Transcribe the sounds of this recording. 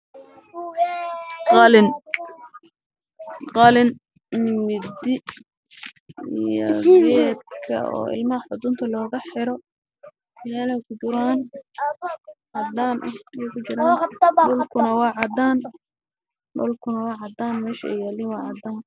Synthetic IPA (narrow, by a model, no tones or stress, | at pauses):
qɑlɪn | qɑlɪn | nɪmɪd̪ɪ | ijɔ̰ɛːd̪̚kʰɐ̰ɔ̰ːʔɪ̰lmɐɦɐħʊd̪ʊnt̪ʰɐlɔːɣɐħɪɾɔ | mɛːlɛjkʰʊt͡ʃɪɾaːn | ʕɑd̪aːnʔɐhjɛjkʰʊt͡ʃɪɾaːdʊlkʰʊnɐwɑːʕɑd̪aːn | ɖʊ̰lkʰʊnɐwɑːʕɑd̪aːnmɛːʃɐɛ̰jɛːlinwɑːʕɑd̪aːn